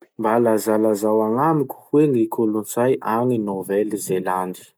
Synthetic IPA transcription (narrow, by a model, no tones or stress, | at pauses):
mbalazalazawaŋamikʲu̥weŋikʰolunt͡sajʔaŋinovɛlizelanɖ͡ʐi̥